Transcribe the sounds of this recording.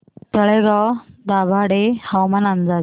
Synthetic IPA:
t̪əɭeɡad̪abʱaɽehawmanand͡za

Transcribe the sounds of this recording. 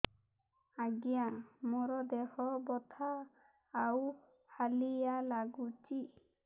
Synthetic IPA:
aɡijamɔɾɔd̪ehɔbɔt̪ʰaː | w | kʰalijalaɡut͡ʃi

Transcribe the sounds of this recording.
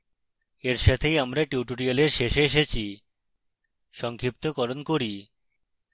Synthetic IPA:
eɾʃat̪ʰejamɾaʈiʈoɾialeɾʃeʃeeʃet͡ɕʰi | ʃɔŋkʰɾip̚t̪okɔɾonkoɾi

